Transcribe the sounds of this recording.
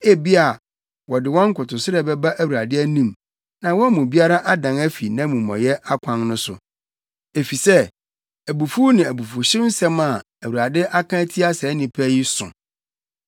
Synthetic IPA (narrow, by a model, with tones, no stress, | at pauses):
e˦bi˦a˨ | wɔ˨dɪ˨wɔ̃˦ŋ̩˦kʊ˨tʊ˨sɪ˦ɾɛ˦bɛ˦ba˦ʔæ˦wu˨a˨dɪ˦æ˦nĩ˨m | nã˨wɔ˦mũ˨bi˦a˦ɾa˦ʔa˦dã˨næ˦fi˨nã˦mũ˨mɔ̰̃˨jɛ˦ʔa˦kʷʰã˦nnʊ̃˦sʊ̰˨ | e˨fi˨sɛ˦ | æ˨bu˨fu˦nɪ̃˨æ˨bu˨fʊ˨ɕɪ̃˦n̩˦sɛ̃˦ma˨ | æ˨wu˨ɾa˨dɪ˦ʔa˦kʰã˦tʰi˦a˦sɛː˨˦nɪ̃˨pʰæ˦ji˦sʊ̰̃˨